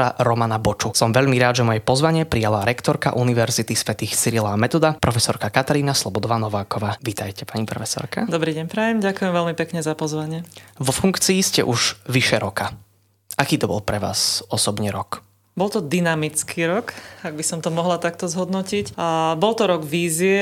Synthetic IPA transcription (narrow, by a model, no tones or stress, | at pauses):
aɾɔmanabɔt͡ʃusɔmʋɛʎmiɾaːd̪ʒɛmɔjɛpɔzʋaɲɪɛpɾijalaɾɛkt̪ɔɾka̰ʔuniʋɛɾzit̪isʋɛt̪iːxsiɾilaːmɛt̪ɔd̪apɾɔfɛsɔɾkakat̪aɾiːnaslˠɔbɔd̪ɔʋaːnɔʋaːkɔʋaːʋit̪ajcɛpaɲipɾɔ̰fɛsɔ̰ɾka̰d̪ɔbɾiːɟɛɲpɾajɛmɟakujɛmʋɛlmipɛkɲɛzapɔzʋaɲɪɛʋɔfuŋkt͡siːscɛ̰ʔuʒʋiʃɛɾɔka | ʔakiːt̪ɔbɔ̰lˠpɾɛʋa̰ːsɔsɔbɲɛɾɔk | bɔlt̪ɔd̪inamit͡skʰiːɾɔkaɡ̚bisɔmt̪ɔmɔɦlat̪ak̚t̪ɔzɦɔd̪nɔcicabɔlt̪ɔɾɔɡʋiːziɛ